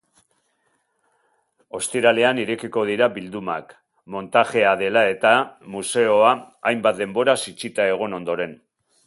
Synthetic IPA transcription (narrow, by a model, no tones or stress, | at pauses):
o̞st̪iɾale̞aniɾekiko̞ð̞iɾaβild̪uma̰k | mo̞nt̪aʝe̞aðe̞lae̞t̪amuse̞oaːjmbat̪̚d̪e̞mbo̞ɾasit͡sit̪ae̞ɣ̞o̞no̞nd̪o̞ɾe̞n